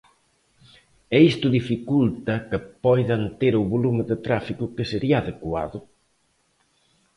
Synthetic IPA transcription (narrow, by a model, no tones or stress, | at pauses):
ɛist̪ʊðifikult̪ɐkepɔjðɐnt̪eɾʊβolumɪðet̪ɾafikʊkeseɾiaːðekwa̰ðʊ